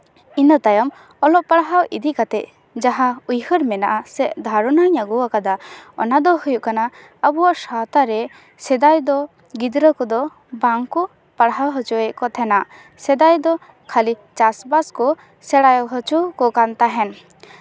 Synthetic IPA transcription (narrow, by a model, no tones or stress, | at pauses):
inɔt̪ajɔm | ɔlɔʔpaɽɦawḭd̪iʔkat̪ɛʔ̪̚ | d͡ʒaɦaujhɔɾmɛnaʔasɛʔd̪ʱaɾɔnaɲaɡuwakad̪aɔ̰nad̪ɔhujuʔkana | əbuwaʔsat̪aɾɛ | sɛd̪ajd̪ɔ | ɡid̪ɾəkɔd̪ɔ | baŋkɔ | paɽɦawɦɔt͡ʃɔɛkɔt̪ʰɛnaʔ | sɛd̪ajd̪ɔ | kʰalit͡ʃasbaskɔ | sɛɽajɔwɦɔt͡ʃukɔkant̪aɦɛn